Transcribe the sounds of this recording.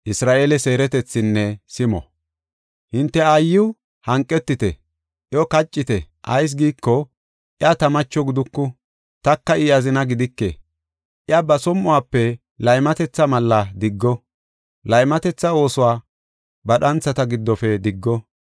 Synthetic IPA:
ʔɪsɾaːʔe̞ːlɛse̞ːɾɛt̪ɛt͡sːɪnːɛsɪmɔ̰ | hɪnt̪ːɛajːɪw | hɐŋkʼːɛt̪ːɪt̪ɛ | ʔɪɔkɐt͡ʃʼːɪt̪ɛ | ʔɐjs̬ɡiːkːɔ | ʔɪat̪ɐmɐt͡ʃːɔɡɪd̪ʊkːʊ | t̪ɐkːɐɪjɐzɪnɐɡɪd̪ɪkːɛ | ʔɪabɐsɔmːʊwaːpːɛ | lɐjmɐt̪ɛt͡sːɐmɐlːɐd̪ɪɡːɔ | lɐjmɐt̪ɛt͡sːɐwo̞ːsʊwaː | bɐɗɐnt͡sːɐt̪ɐɡɪd̪ːɔfɛd̪ɪɡːɔ

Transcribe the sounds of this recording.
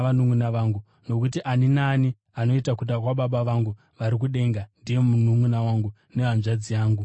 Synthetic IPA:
ʋanumunaʋaːŋɡu | no̞kutiʔaninaːni | ano̞itakuɗakwaɓaɓaʋaŋɡu | ʋaɾik̬uɗe̞ŋɡandije̞munumunawaŋɡu | ne̞ʋanʐad͡zijaːŋɡu

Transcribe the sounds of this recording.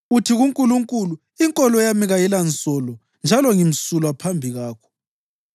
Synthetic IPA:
utʰiɣuŋkʼuluŋkʼulu | iŋkʼɔlɔjamiɣajilant͡sʼɔlɔ | nd͡ʒʱalɔŋim̩sulwapʰambʱiɣaːkʰɔ̥

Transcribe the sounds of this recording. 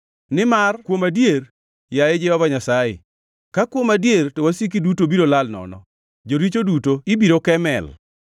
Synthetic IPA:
nɪmarkwomadjer | jajed͡ʒɛɔvaɲasajḛ | kakwomadjertowasik̬idutobiɾolalnɔ̰nɔ̰ | d͡ʒoɾit͡ʃodutoɪbiɾokɛmɛ̰l

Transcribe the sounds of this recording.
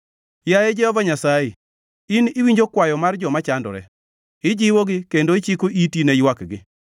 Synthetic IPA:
jajed͡ʒɛhɔvaɲasaje | ɪnɪwiɲd͡ʒokwajɔmard͡ʒɔmat͡ʃandɔ̰ɾɛ̰ | ɪd͡ʒɪwoɡɪkendoɪt͡ʃikoʔitinɛjwakɡɪ̰

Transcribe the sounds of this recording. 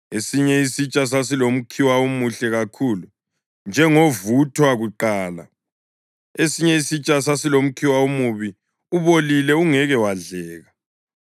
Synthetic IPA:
esiɲɛisit͡ʃʼas̬asilom̩kʰiwaomuɬɛɣakʰulu | nd͡ʒʱɛŋovutʰwaɣuǃaːla̰ | esiɲɛisit͡ʃʼas̬asilom̩kʰiwaomuβi | uβolilɛuŋɛɣɛwaɮɛːɣa

